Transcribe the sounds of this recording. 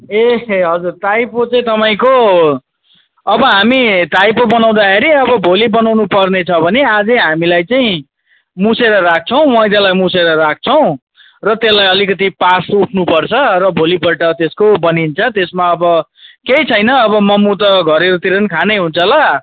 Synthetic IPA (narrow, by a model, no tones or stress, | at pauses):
eɦʌd͡zurt̪ajpot͡saĩt̪ʌpaĩko | ʌbʌɦamit̪ajpobʌnaw̃d̪akʰeɾiʌbʌbʱolibʌnawnupʌrnet͡sʰʌbʱʌnead͡zʌɦamilajt͡saĩ | museɾʌɾak̚ʰt͡sʰʌw̃wʌjd̪alajmuseɾʌɾak̚ʰt͡sʰʌw̃ | rʌt̪elːajʌlikʌt̪ipasuʈʰnupʌrt͡sʰʌrʌbʱolipʌʈʌt̪eskobʌnint͡sʰʌt̪esmaʌbʌkejt͡sʰʌjnʌːβʌmʌmut̪̬ʌɡʱʌɾeɾut̪iɾʌnkʰanʌjɦunt͡sʰʌlʌ